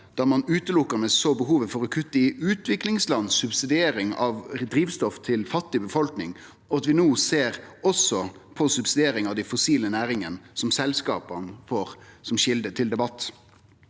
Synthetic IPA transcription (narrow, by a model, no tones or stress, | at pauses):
d̪̥ɑːmɑnʉːt̪əlʊkːəɾmɛsoːbəɦuːʋəfɔɾɔkʰʉt̪ːəɪʉːt̪ʋɪklɪŋslɑnsʉbsɪd̪ɪeːɾɪŋɑʋd̪ɾiːʋst̪ɔft̪ʰɪlfɑt̪ːɪbəfɔlknɪŋ | ɔɑt̪ʋɪnoːseːʁɔsɔpʰɔsʉbsɪd̪eːɾɪŋɑʋd̪æɪfʊsiːlənæːɾɪŋənsɔmsɛlskɑːpənfoːʁsɔmʃɪld̪ət̪ʰɪld̪ɛbɑt̪ː